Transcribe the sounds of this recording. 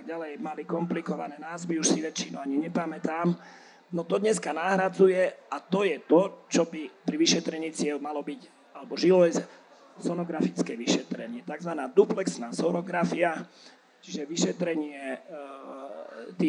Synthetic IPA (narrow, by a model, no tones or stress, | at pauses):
aɡ̚ɟalɛjmalikɔmplikɔʋa̰nɛnaːzʋiuʃsiʋɛt͡ʃinuaɲiɲɛpamɛt̪aːm | nɔt̪ɔd̪ɲɛskanaɦɾad͡zujɛat̪ɔjɛt̪ɔt͡ʃɔbipɾiʋiʃɛt̪ɾɛɲiːt͡sɪɛlmalɔbic | alɛbɔʒilɔjz | sɔnɔɡɾafit͡skɛʋiʃɛt̪ɾɛɲɪɛt̪aɡzʋanaːd̪uplɛksnaːsɔɾɔɡɾafia | t͡ʃiʒɛʋiʃɛt̪ɾɛɲɪɛ | t̪i